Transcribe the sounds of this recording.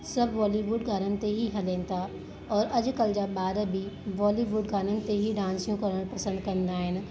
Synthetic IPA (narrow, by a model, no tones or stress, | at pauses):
sɐbʱʋɔːliʋuːɖɡaːɾənɪ̆t̪eɦiɦɐlẽːnɪ̆t̪ʰa | ɔːɾɐʄʊkɐld͡ʑaːɓaːɾəbʱɪʋɔːliʋuːɖɡaːnənɪ̆t̪eɦiɖãːnsijũkɐɾəɽ̃pɐsə̃nd̪kɐ̃nd̪aːɦɪnɪ̆